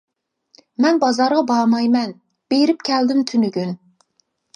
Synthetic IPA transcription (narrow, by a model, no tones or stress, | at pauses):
mɛnbɑzɑɾʁɑbɑmɑjmɛn | b̥eɾɪp̚kʲʰæld̪ɪmt̪ʰynyɡʲyn